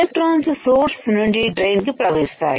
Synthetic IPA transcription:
ek̚ʈɾoːnssoːɾssʊnuɳɖiːɖɾeːnkipɾɐʋeːst̪ʰa̰ːe

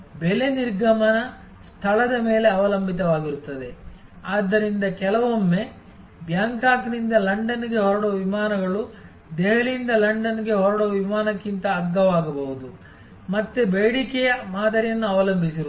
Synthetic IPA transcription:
bele̞niɾɡɐmɐnɐ | st̪ʰɐlɐd̪ɐme̞ːle̞ɐʋɐlɐmbʱit̪ɐʋaːɡiɾut̪ːɐd̪e̞aːd̪ːɐɾind̪ɐkɛlɐʋomːe̞ | bjaːŋkaːknind̪ɐlɐɳɖɐniɡe̞ɦɔɾɐɽoːʋimaːnɐɡɐɭu | d̪eɦɐɭind̪ɐlɐɳɖɐniɡe̞ɦɔɾɐɽoʋimaːnɐkːint̪ɐːɡːɐʋaːɡɐbɐɦud̪u | mɐt̪ːebeːɽikɛjɐmaːd̪ɐɾijɐnːuɐʋɐlɐmbʱisiɾ

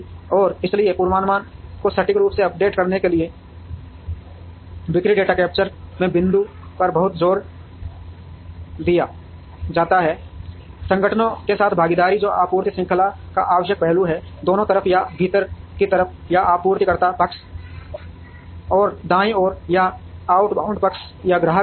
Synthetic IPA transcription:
ɔːɾɪsliepuːɾwaːnmaːnkosɐʈɪkɾuːpseɐp̚ɖeːʈkɐɾnekelɪe | ʋɪkɾiɖeːʈaːkɛːpt͡ʃəɾmẽbɪ̃nd̪u | pɐɾbɐɦʊt̪zoːɾ | d̪ija | d͡ʒaːt̪aɦɛː | sɐ̃ŋɡʱəʈʰənõkesaːt̪ʰbʱaːɡid̪aːɾid͡ʒoːʔaːpuːɾt̪isɪ̃ŋkʰəlakaʔaːʋəʃjək̚pɛɦluɦɛd̪oːnõt̪əɾəfʰjabʱiːt̪əɾkit̪ɐɾəfʰ | jaʔaːpuːɾt̪ikɐɾt̪apɐks | ɔːɾd̪ãːĩɔːɾjaaːʊʈba̰ːʊ̃ɳɖpɐks | jaɡɾaɦə

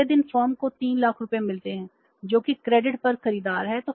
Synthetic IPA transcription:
ed̪ɪnfaːɾmkot̪iːnlaːkʰɾʊpemɪlt̪eɦɛ̃ː | d͡ʒoːkikɾɛːɖɪʈpɐɾxɐɾiːd̪aːɾɦɛt̪oː

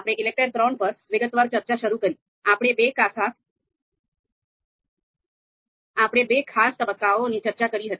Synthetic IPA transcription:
apɽ̃eʔilek̚ʈəɾt̪ɾonpəɾʋiɡət̪ʋaɾt͡ɕəɾt͡ɕaɕəɾuːkəɾiː | apɽ̃ebekasat̪ | apɽ̃ebekʰast̪əbəkːaʋonit͡ɕəɾt͡ɕakəɾiːɦət̪i̥

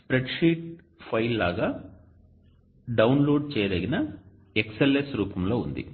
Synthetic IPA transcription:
spɾeʈʂiːʈ | pʰɐjlːaːɡaː | ɖɐwnloːɖ̚t͡ʃɛːjɐd̪ɐɡinɐ | ekselːesɾuːpɐmlo̞ːund̪ḭ

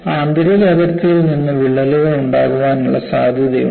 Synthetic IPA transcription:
aːnd̪ɐɾilɐʋɐɾt̪ːiilninːɨʋiɭːɐluʋɐɭuɳɖaːɣuʋaːnuɭːɐsaːd̪ʱjɐðɐjṵ

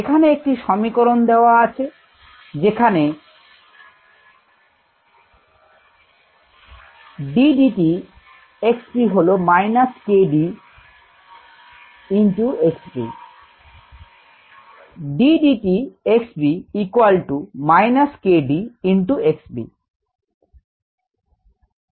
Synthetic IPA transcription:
ekʰaneek̚ʈiʃɔmikoɾond̪eoaat͡ɕʰe | d͡ʑekʰane | ɖiɖiʈi | ekspiɦolomajnaskeɖi | inʈuekspḭ | ɖiɖiʈieksbiikwalʈumajnaskeɖiiɳʈueksbḭ

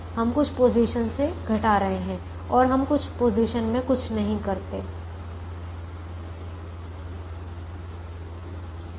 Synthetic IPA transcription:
hɐmkʊt͡ʃʰpoːziʃənseɡʱɐʈaːɾɐɦeɦɛ̃ | ɔːɾɦɐmkʊt͡ʃʰpoːziːʃənmẽkʊt͡ʃʰnɐɦĩkɐɾt̪eː

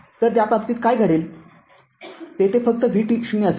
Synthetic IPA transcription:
t̪əɾt̪japap̚t̪iːt̪̚kajɡʱəɽel | t̪et̪efək̚t̪əʋʱiʈiɕumiəs

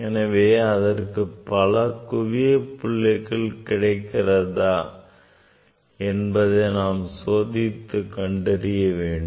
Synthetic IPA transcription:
ɛnɐʋeːɐðɐrkɯpɐlɐkʊʋɪjɐpʊɭːɐɪɣɐɭkɪɽɐɪkːɪrɐðaː | ɛnbɐðɐɪnaːmsoːðɪt̪ːɯkɐɳɖɪɾɪjɐʋeːɳɖɯ

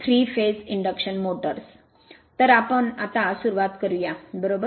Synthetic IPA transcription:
t̪ʰɾiːfeːsiɳɖəkʂənmoːʈəɾs | t̪əɾapəɳat̪ãsuɾuʋat̪kəɾujabəɾoːbə

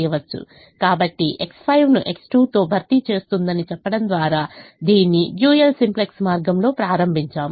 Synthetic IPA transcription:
jɐʋɐt͡ʃːṵ | kaːbɐʈːiʔe̞kspʰɐjʋnuʔe̞ksʈuːt̪o̞ːbʱɐɾt̪it͡ʃe̞ːst̪und̪ɐnit͡ʃɛpːɐɽɐnd̪ʋaːɾaːd̪iːnːijjuːjɐlsimpleksmaːɾɡɐmlo̞ːpɾaːɾɐmbʱiɲt͡ʃaːm

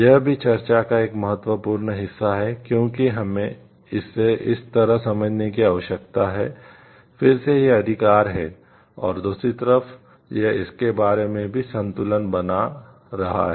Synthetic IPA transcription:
jɐɦbʱit͡ʃɐɾt͡ʃakaeːkmɐɦət̪wəpuːɾnɦɪsːaɦɛkjõːkiɦɐmẽ | ɪsːeʔɪst̪ɐɾəɦsɐməd͡ʒʱnekiaːʋəʃəkt̪aɦɛː | fɪɾsejeɐd̪ʱɪkaːɾɦɛ | ɔ̰ːɾd̪uːsɾit̪əɾəf | jeɪskebaːɾemẽbʱisɐ̃nt̪ʊlənbɐna | ɾɐɦa̰ɦɛ

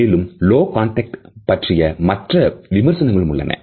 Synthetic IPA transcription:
eːlɯmloːkaːɳʈɐk̚ʈpɐʈrɪjɐmɐʈrɐʋɪmɐɾsɐnɐŋɡɐɭɯmʊɭːɐ̰nɐ̰

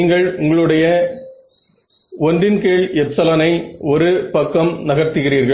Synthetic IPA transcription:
iːŋɡɐɭʊŋɡɐɭɯɽɐjɐ | ɔndɪnkeːɭɛpsɐlɐnɐɪɔɾɯpɐkːɐmnɐɣɐɾt̪ɯɣɪriːɾɣɐɭ

